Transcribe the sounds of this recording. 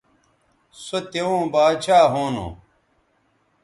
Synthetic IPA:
sot̪eõːbaːt͡ɕʰaːɦoːno̰

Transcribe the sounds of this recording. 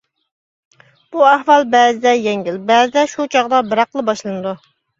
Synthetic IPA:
b̥uæhwɑlˠbɛːzɪd̪ɛjɛŋɡʲilbɛːzɪd̪ɛʃut͡ʃʰɑʁd̪ɑbɪɾɑqlˠɨbɑʃlˠɨnɨd̪u

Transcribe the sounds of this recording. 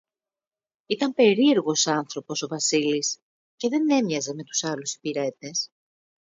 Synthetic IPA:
it̪ɐmpe̞ɾie̞ɾɣo̞sɐnθɾo̞po̞so̞vɐsilis | ce̞ðe̞ne̞mɲɐze̞me̞t̪u̥sɐlusi̥piɾe̞t̪e̞s

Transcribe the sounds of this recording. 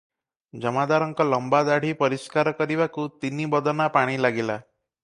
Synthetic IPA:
d͡ʒɔmad̪aɾɔŋkɔlɔmbad̪aɽ̤ipɔɾiskaɾɔkɔɾibakut̪inibɔd̪ɔnapaɽ̃ilaɡila

